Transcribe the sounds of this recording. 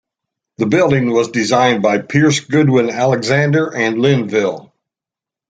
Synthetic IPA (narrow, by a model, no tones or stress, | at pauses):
ðɨbɪlˠdɪ̃ŋwʌzdɨzãɪ̃nbaɪpʰɪɹsɡ̥ʊd̚wɪ̃nælˠəɡzæ̃ndə˞ʔɨ̃nlɪ̃nvɪlˠ